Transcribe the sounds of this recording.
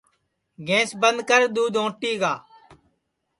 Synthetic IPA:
ɡẽːsbənd̪kəɾd̪uːd̪õːʈːiːɡaː

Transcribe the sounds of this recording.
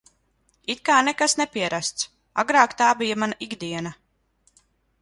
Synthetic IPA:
it̪̚kaːnɛkasnɛpiɛɾast̪s | a̰ɡɾaːkt̪aːbijamanaʔiɡd̪iɛna

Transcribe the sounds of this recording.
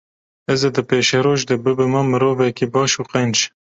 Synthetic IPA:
ɛzed̪ɨpeːʃɛɾoːʒd̪ebɨbɨmɐmɨɾoːvɛkibɑːʃuːqɛnt͡ʃ

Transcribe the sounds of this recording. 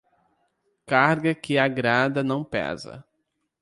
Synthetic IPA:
kaɾɡɐkɪaɡɾad̪ɐnɐ̃w̃pɛ̰zɐ̰

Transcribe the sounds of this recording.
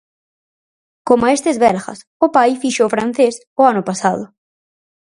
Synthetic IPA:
komʊaest̪ɪzβɛlxɐ̰s | ʊpajfiʃoːfɾan̟θes | ʊanʊpasaðʊ

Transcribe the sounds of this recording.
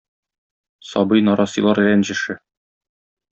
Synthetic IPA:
sɒbɤjnɒɾɑsɤlˠɑɾlænʑɘ̆ʃɘ

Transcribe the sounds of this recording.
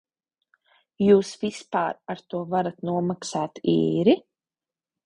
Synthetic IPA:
juːsvispaːɾaɾt̪uɔvaɾat̪nuɔmaksaːt̪ḭːɾi

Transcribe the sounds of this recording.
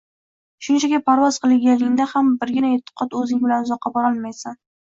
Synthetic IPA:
ʃʊnt͡ʃʰaɡʲapʰaɾvɒzqɨlˠɪŋɡʲanlːɪŋnd̪ahambɪɾɡʲɪnaet̪ʰːɨ̥qʰɒt̪ɵzɪŋbɪlanʊzɒqʰːɑbɒɾɒlˠmajsan

